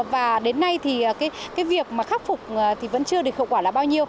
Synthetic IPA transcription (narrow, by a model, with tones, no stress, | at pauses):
vaː˨˩ɗe˨˦nːa˧jt̪ʰiː˨˩˨kaː˨˦kaː˨˦jvi˨˩ək̚maː˨˩xaː˦˥k̚fʊ˨˩k͡p̚ːt̪ʰi˨˩və̰˧˥nt͡ɕɨ˧ə˧ɨ˨˩əkho̰˧˨wkwaː˧˩laː˨˩ɓaː˧wɲi˧əw